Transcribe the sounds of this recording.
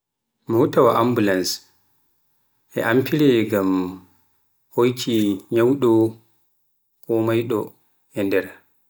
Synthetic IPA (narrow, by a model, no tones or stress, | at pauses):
mɔhutawaʔambulans | ʔɛ̰ʔampilɛɡam | hojtʰiɲawɗɔ | kɔmajɗɔ | hɛndɛɾa